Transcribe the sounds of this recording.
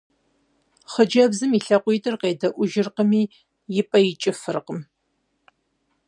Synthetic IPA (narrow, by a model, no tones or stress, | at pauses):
χəd͡ʒɐbzɨmiɬɐqʷʼiːtʼɨrqeːdɐʔʷʊʒɪrqəmiː | jɪpʼɐjɪt͡ʃʼɪfɨrqəm